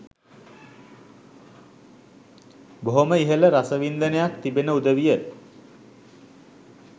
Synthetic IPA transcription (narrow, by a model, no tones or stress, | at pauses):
boɦoməiɦələɾasəʋind̪ənejak̚t̪ibenəud̪əʋijə